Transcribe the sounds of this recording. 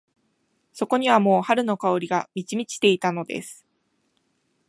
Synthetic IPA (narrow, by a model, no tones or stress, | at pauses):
so̞ko̞ɲ̟iβamo̞ːhaɾɯ̟no̞kao̞ɾʲiɡamʲit͡ɕimʲit͡ɕi̥t̪e̞it̪ano̞d̪e̞̰sɨ̥